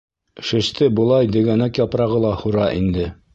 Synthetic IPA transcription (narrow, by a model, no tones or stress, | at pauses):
ʃɘ̆ʃt̪ɘbɤ̆lˠɑjd̪ɘ̆ɡænækjɒpɾɑʁɤlˠɑhuɾɑʔind̪ɘ